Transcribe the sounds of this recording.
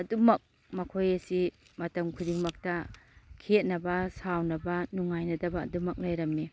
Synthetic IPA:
ɐdumɐk̚ | mɐkʰojɐsi | mɐtɐmkʰudiŋmɐk̚tɐkʰet̚nɐbɐsawnɐbɐnuŋajnɐdɐbɐ̰ːdumɐk̚lɐjɾɐmːi

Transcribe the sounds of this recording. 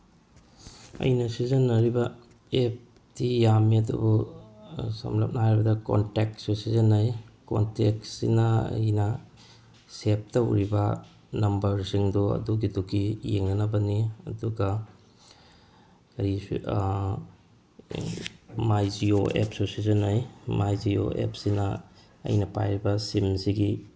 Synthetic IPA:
ɐ̰jnɐsizɐnːɐɾibɐ | ep̚ | tijamiɐdṵbu | sɐ̰mlɐp̚nɐɦajɾibɐdɐko̰ntek̚susizɐnːɐjko̰ntek̚sḭnɐɐ̰jnɐ | sep̚tɐwɾibɐ | nɐmbɐɾsiŋduɐ̰duɡidukijeŋnɐnɐbɐniɐ̰duɡɐ | ɾi | majzioḛpsosizɐnɐjmajzio̰ḛp̚sinɐ | ɐ̰jnɐpa̰jɾibɐsimsiɡi

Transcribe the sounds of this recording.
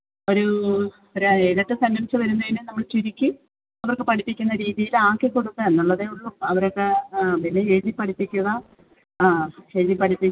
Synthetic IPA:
o̞ɾu | oɾeeːðɐʈːɨsɐmjɐmit͡ɕːɐʋɐɾunːɐðinɨnɐmːɐɭt͡ɕiɾikʲːu | ɐʋɐrkːepɐʈʰipːikʲːunːɐɾiːðijilaːkːekːoɽut̪ːɨenːuɭːɐðejuɭːuɐʋɐɾokːeʋilːeeːðipːɐʈʰipːikʲːuɣɐ | eːðipɐʈʰipːi

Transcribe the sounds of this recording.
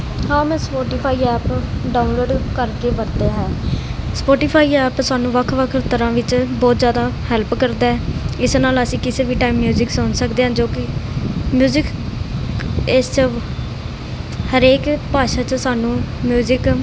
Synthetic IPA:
hãːmɛ̃ːspoːʈiːpʰaːiːɛːpɖaːʊnloːɖkəɾkeːʋəɾt̪eːɦɛːspoːʈiːpʰaːiːɛːpsaːnũːʋəkʰʋəkʰɾt̪əɾãːʋɪt͡ʃbɔːt̪zjaːd̪aːhɛlpkəɾd̪aːɦɛːɪsnaːləsĩːkɪseːʋiːʈaːimːjuːzɪksʊnsəkd̪eːɦãːd͡ʒoːkɪmjuːzɪk | ɪst͡ʃ | həɾeːkpaːʃaːt͡ʃəsaːnũːmjuːzɪk

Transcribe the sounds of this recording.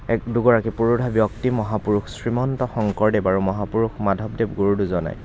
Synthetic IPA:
ɛkduɡɔɹakipuɹubʱabiɔktimɔɦapuɹuxsɹimɔntɔxɔŋkɔɹdebaɹumɔɦapuɹuxmadʱɔb̚debɡoɹuduzɔna̰j

